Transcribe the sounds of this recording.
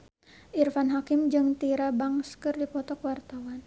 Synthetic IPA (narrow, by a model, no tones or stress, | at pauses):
ʔirfanɦakimd͡ʒɨŋt̪iɾabaŋskɨrdipɔt̪ɔkwart̪awan